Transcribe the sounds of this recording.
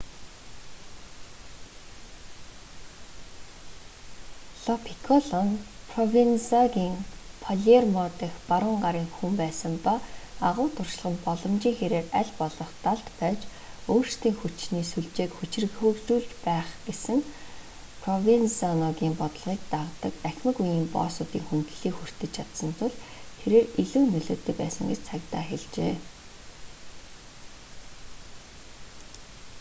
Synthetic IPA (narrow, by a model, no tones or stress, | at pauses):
ɮɔpʰi̥kʰɔɮɔnpʰrɔwinsɔɣiːŋpʰɔɮermɔt̪ə̆xpaɾʊːɴɢaɾiːŋxumpæːsə̆mpaaʁʊːt̪ʰʊrʃ̆ɮʁə̆npɔɮɞ̆mt͡ɕiːŋxeɾeːræɮʲpɔɮɞ̆χt̪aɮt̪pæːt͡ɕ | oːrst̪iːŋxut͡ɕniːsuɮt͡ɕeːkxut͡ɕɪ̆rɣxuɮt͡ɕuːɮt͡ɕpæːχɡesɘ̆ŋ | pʰrɔvint͡siɔnɔɣʲiːmpɔt̪ə̆ɮʁiːk̚t̪aʁt̪ə̆kæxʲmɘ̆kujiːmpɔ̰ːsʊːt̪iːŋxunt̪ɮiːkxur̥t̪ɘ̆t͡ɕt͡ɕʰat̪sə̆nt̪ʰʊɮt̪ʰeɾeːriɮuːnɵɮoːt̪ːɘ̆kpæ̰ːsə̆ŋɡet͡ɕt͡sʰakt̪aːxeɮt͡ɕeː